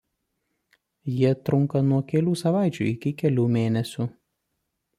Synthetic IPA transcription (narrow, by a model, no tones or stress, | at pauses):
jiɛt̪ɾʊŋˑkɐnuɔkʲɛlʲuːsɐʋɑˑɪt͡ʃʲṵːɪkʲɪkʲɛlʲuːmʲeːnʲɛsʲu